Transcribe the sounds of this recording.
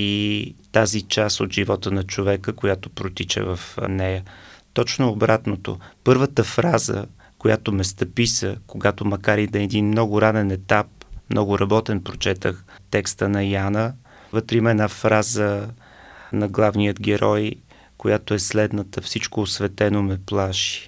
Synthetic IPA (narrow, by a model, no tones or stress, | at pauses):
it̪azit͡ʃast̪ot̪ʒivɔt̪ənɐt͡ʃovɛkəkojat̪opɾot̪it͡ʃɛ̰vəfnɛjət̪ɔt͡ʃnoːbɾat̪not̪o̰pɤɾvət̪əfɾazə̰ | kojat̪omɛst̪əpisəkoɡat̪omɐkaɾid̪ɐɛd̪inmnɔɡʊɾanɛnɛt̪ap̚mnɔɡʊɾɐbɔt̪ɛnpɾot͡ʃɛt̪əx | t̪ɛkst̪ənɐjanə | vət̪ɾɛimɛnafɾazə | nɐɡlˠavnijəd̪ɡɛɾɔj | kojat̪oɛslɛd̪nət̪əfsit͡ʃkoːsvɛt̪ɛnomɛplˠaʃi̥